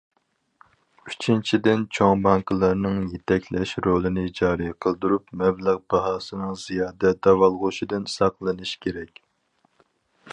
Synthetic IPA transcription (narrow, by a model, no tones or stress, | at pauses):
yt͡ʃʰint͡ʃʰid̪ɪnt͡ʃʰoŋbɑŋklˠɑɾnɨŋjet̪ʰɛkʲlɛʃɾolˠɨnɨd͡ʒɑːɾijqʰəlˠd̪uɾupmɛbləʁbɑɦɑːsɨnɨŋz̥ijɑːd̪ɛd̪ɑwɑlˠʁoʃid̪ɨnsɑqlˠɨnɨʃkʲʰeɾɛkʲ